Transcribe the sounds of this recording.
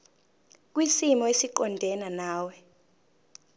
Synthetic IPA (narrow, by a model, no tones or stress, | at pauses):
k̬wisimɔesiǃɔndʱɛnanaːwɛ